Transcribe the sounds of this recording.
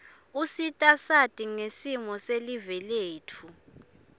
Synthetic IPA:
usitʼasatʼiŋesimɔselivɛleːtʰu

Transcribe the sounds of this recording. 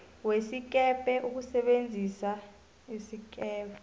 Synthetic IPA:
wesik̬ʼɛpʼɛʔuk̬usɛɓend͡zʱisa | isik̬ʼɛːpʰɛ

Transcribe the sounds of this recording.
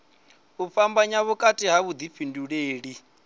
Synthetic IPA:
βufambaɲaβukʼatʼiɦaβud̪ifinduɺeːɺi

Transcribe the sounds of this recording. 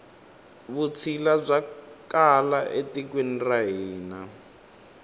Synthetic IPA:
βut͡sʰilazʷakalaʔetik̬win̩raɦiːna

